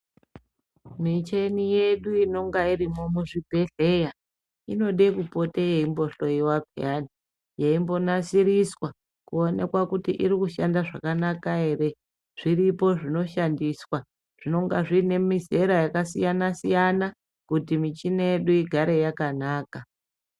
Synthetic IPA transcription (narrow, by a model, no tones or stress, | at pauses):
mit͡ʃe̞nije̞ɗuino̞ŋɡaiɾimo̞muʐibʱe̞ɬe̞ja | ḭno̞ɗekupo̞tejeimbo̞ɬo̞iwapḛani | jeimbo̞nasiɾiswa | kuo̞ne̞kwakutḭʔiɾikuʃandaʐa̰kanakae̞re̞ | ʐ̥iripo̞ʐino̞ʃandiswa | ʐ̥ino̞ŋɡaʐine̞mize̞ɾajakasijanasijana | kutimit͡ʃinejeɗuiɡʱaɾe̞jakanaːka